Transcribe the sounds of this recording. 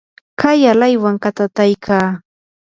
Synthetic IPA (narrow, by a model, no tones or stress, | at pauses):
kajalajwaŋkat̪at̪ajkʰaː